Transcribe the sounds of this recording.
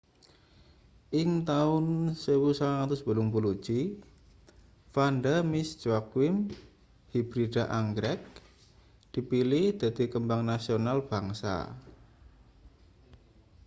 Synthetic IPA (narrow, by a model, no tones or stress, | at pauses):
ʔɪŋt̪aʊnsewusalaŋat̪ʊsb̥ə̤lʊŋbulud̥ʒ̥i | fandamɪsd͡ʒakwɪm | hibɾid̥aʔaŋɡɾɛk̚ | d̪̥i̤pilɪhd̪̥a̤d̪̥i̤kəmbaŋnasionalb̥a̤ŋsa̰